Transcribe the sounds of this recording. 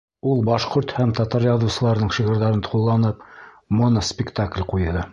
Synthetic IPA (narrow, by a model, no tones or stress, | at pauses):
ulˠbɑʃqoɾt̪hæmt̪ɑt̪ɑɾjɑðŭwsɤ̆lˠɑɾnɤɴʃiʁɤ̆ɾðɑɾɤnt̪qulˠːɑnɤp | monspʲɪkt̪aklʲqujðɤ